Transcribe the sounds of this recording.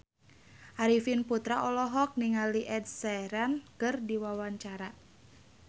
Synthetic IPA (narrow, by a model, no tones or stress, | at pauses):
ʔaɾifinput̪ɾaʔɔlɔɦɔk̚niŋaliʔɛd̚sɛɾankɨrdiwawaɲt͡ʃaɾa